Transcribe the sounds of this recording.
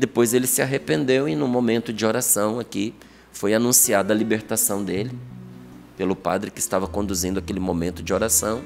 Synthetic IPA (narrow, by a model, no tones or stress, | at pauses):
d̪epojzelɪsɪaɦepẽnd̪ewɪnũmõmẽnt̪ʊd͡ʒɪoɾasɐ̃w̃aki | fojanũsiad̪ɐlibeɾt̪asɐ̃w̃d̪elɪ | pelʊpa̰d̪ɾɪkɪɪst̪avɐkõnd̪uzĩd̪ʊakelɪmõmẽnt̪ʊd͡ʒɪoɾasɐ̃w̃